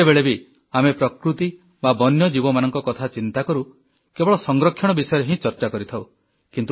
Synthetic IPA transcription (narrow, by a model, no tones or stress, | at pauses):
ebeɭebi | amepɾɔkɾut̪i | babɔnjɔd͡ʒibɔmanɔŋkɔkɔt̪ʰat͡ʃint̪akɔɾu | kebɔɭɔsɔŋɡɾɔkʰːjɔɽ̃ɔbisɔjɔɾeɦĩt͡ʃɔɾt͡ʃakɔɾit̪ʰaw | kint̪